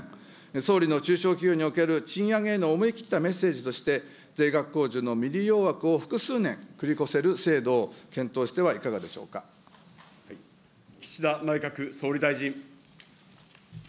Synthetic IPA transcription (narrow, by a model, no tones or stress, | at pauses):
so̞ːɾʲino̞t͡ɕɨːɕo̞ːkʲijoːɲ̟io̞ke̞ɾɯ̟t͡ɕĩɰ̃jaŋe̞ːno̞ːmɯ̟ikʲi̥t̪ːame̞se̞ːʑit̪o̞ɕi̥t̪e̞ | d͡zeiɡakːo̞ːʑɨːno̞mʲiɾʲijo̞ːβakɯ̟o̞ɸɯ̟̥kɯ̟sɨːnẽ̞ŋkɯ̟ɾʲiko̞se̞ɾɯ̟se̞ːd̪o̞ːkẽ̞nt̪o̞ːɕi̥t̪e̞β̞aikaɡad̪e̞ɕo̞̰ːka | kʲi̥ɕid̪anaikakɯ̟so̞ːɾʲid̪aiʑĩ